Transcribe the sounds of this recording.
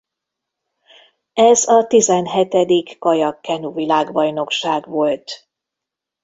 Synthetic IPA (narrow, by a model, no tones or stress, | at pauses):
ɛzɒt̪izɛnɦɛt̪ɛd̪ikːɒjɒkːɛnuvilaːɡbɒjno̞kʃaːɡʋo̞lt̪